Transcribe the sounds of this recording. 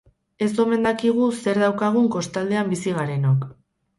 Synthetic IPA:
e̞so̞me̞nd̪akiɣ̞use̞ɾðawkaɣ̞uŋko̞st̪ald̪e̞ambisiɣaɾe̞nok

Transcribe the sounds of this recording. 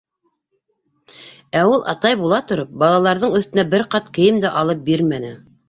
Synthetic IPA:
æulˠʔɑ̰t̪ɑjbulˠɑt̪ŏɾɤp̚bɑlˠɑlˠɑɾðɤɴɵ̆θt̪ɘ̆næbɘɾqɑt̪kɘ̆jɘmd̪æʔɑlˠɤp̚biɾmænɘ

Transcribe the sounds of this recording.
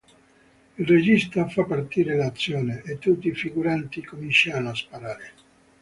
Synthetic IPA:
ilred͡ʒist̪afapːart̪iːɾelat̪sːjɔːneʔet̪ːut̪ːiːfiɡuɾant̪ikomint͡ʃanoaspaɾaːɾe

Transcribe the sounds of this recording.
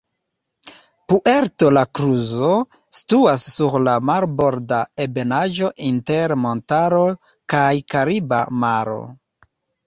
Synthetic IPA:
puʔeɾto̞lakɾuzo̞ | stuasːuɾlamaɾbo̞ɾdaebe̞naʒo̞ʔinte̞ɾmo̞ntaɾo̞ | kajkaɾiba̰maɾo̞̰

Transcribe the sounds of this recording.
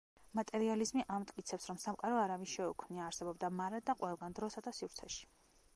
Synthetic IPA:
mat̪ʼɛɾializmiʔamt̪ʼkʼit̪sʰɛpsɾɔmsamqʼaɾɔaɾaviʃɛukʰmniaːɾsɛbɔbd̪amaɾɛd̪aqʼwɛlˠɡand̪ɾɔsad̪asivɾt̪sʰɛʃi̥

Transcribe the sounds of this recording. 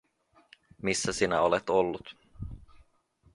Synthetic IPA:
misːæsinæ̰olet̪olːut̪

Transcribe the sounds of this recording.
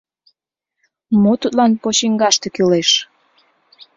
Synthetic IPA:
mot̪ut̪lɑnpot͡ɕiŋɡɑʃt̪ĕkyleʃ

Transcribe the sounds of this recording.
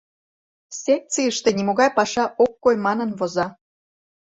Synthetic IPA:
sʲek̪̚t͡sijəʃt̪ĕnʲimoɣɑjpɑʃɑʔokːojmɑnə̆nβozɑ

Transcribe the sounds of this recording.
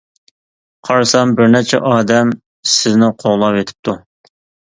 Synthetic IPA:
qʰɑɾsɑmbɪɾnɛt͡ʃʰɛ̰ʔɑːd̪ɛm | sɪznɪqʰoʁlˠɑpet̪ʰɪ̥p̚t̪ʰu

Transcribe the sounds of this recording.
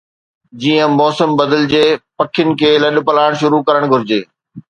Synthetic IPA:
d͡ʑiːə̃mɔːsəmbɐd̪əld͡ʑeːpɐkʰɪjʊnɪ̆kʰeːlɐɗ̆pɐlaːɪɽ̃ʃʊɾukɐɾəɽ̃ɡʱʊɾɪd͡ʑeː

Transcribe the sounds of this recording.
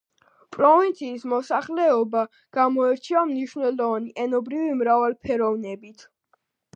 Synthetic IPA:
pʼɾɔvint̪sʰiːsmɔsaχlɛɔba | ɡ̥amɔɛɾt͡ʃʰiamniʃvnɛlɔvaniʔɛnɔbɾivimɾavalpʰɛɾɔvnɛbit̪ʰ

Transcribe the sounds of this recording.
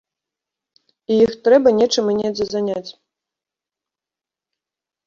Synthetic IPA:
ijixt̪ɾɛbɐnʲɛt͡ʂɨmɨnʲɛd̪zɐzanʲat͡sʲ

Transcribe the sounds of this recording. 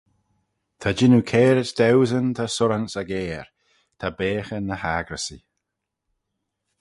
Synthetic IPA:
t̪ʰad͡ʒɪnukʰɛːɾətd̪ɛwzənt̪ʰasʊɾansaɡɛːɹ | t̪ʰabeːxənəhaːɡɾəsi

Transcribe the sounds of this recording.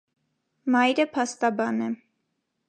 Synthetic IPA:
mɑjɾəpʰɑst̪ɑbɑnɛ

